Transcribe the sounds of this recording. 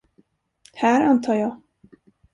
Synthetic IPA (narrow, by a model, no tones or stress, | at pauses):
hæːɾant̪ʰɑːɾjɑː